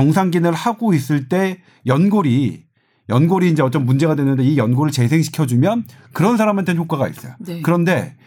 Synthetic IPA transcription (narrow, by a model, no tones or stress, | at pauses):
ʌŋsʰaŋɡinɯɭhaɡois͈ɯɭt͈e̞ | jʌnɡoɾi | jʌnɡoɾiːnd͡ʑe̞ʌt͡ɕ͈ʌnmund͡ʑe̞ɣadwenɯnde̞ijʌnɡoɾɯɭt͡ɕe̞sʰe̞ŋɕʰi̥kʰjʌd͡ʑumjʌnkɯɾʌns̬ʰaɾamɦantʰençʰok͈aɡaḭs͈ʌjokɯɾʌnde̞